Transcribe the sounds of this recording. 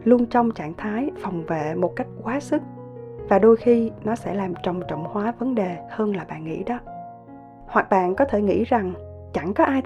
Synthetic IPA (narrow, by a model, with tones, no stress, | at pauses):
lu˧ənt͡ɕɔ˧wŋ͡mt͡ɕa̰ː˧˨ŋt̪ʰaː˨˦jfɔ˨˩wŋ͡mvḛ˧˨mo˨˩t̚ka˦˥jk̟̚kwaː˨˦sɨ˦˥k̚ | vaː˨˩ɗo˧jxi˧nɔ˨˦sɛ̰˧˥laː˨˩mt͡ɕɔ˨˧˨wŋ͡mt͡ɕɔ̰˧˨wŋ͡mhwaː˨˦və˨˦nɗe˨˩həː˧nlaː˨˩ɓa̰ː˧˨nŋḭ˧˥ɗɔ˨˦ | hwa˨˩k̚ɓa̰ː˧˨nkɔ˨˦t̪ʰe˧˩ŋḭ˧˥za˨˩ŋ | t͡ɕa˧˩ŋkɔ˨˦ʔaː˧j